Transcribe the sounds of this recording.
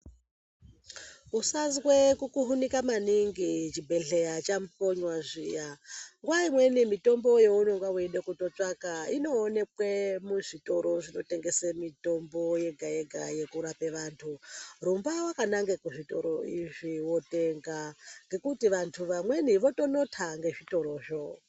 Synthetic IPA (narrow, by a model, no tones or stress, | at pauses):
usazɣwekukuɦunikamaniŋɡit͡ʃibʱe̞ɬe̞jat͡ʃampo̞ɲwaʐijaŋɡwaimwe̞nimito̞mbo̞je̞unoŋɡwawuenɗekuto̞t͡ʂakaino̞ːne̞kwe̞muʐito̞ɾo̞ʐino̞te̞ŋɡe̞semito̞mbo̞je̞ɡʱajeɡʱa̰je̞kuɾape̞ʋaːntʰurumbawakanaŋɡekuʐito̞̰ɾoiʐiwo̞te̞ŋɡaŋɡe̞kutiʋantʰuʋamwe̞niʋo̞tono̞tʰaŋɡe̞ʐito̞ɾo̞ːʐo